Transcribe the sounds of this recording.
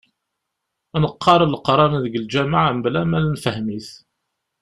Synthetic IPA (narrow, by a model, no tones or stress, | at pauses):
nəqʰːɑɾˤlqɾˤɑməðɡəld͡ʒæmaʕamblæmælnfəhmiθ